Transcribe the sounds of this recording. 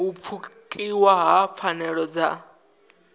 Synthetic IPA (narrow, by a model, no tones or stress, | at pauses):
up̪fʰukʼiwaɦap̪fʰanɛɺɔd͡za̰